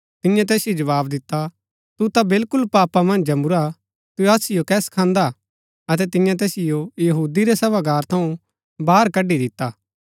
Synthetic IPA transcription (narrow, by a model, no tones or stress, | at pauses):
t̪ɪ̃jãt̪̬ɛːsɪjod͡ʒɐʋaːbd̪ɪt̪ːa | t̪ut̪abɪlkʊlpaːpamɐ̃nd͡ʒd͡ʒɐmʊɾa | t̪uaːsɪjokɛːskʰãːnd̪a | ɐt̪̬ɛt̪ɪ̃jãt̪ɛːsɪjojɐɦuːd̪iɾesɐʋaɡaːɾt̪ʰɐũ | baːɾkɐɖːid̪ɪt̪ːaː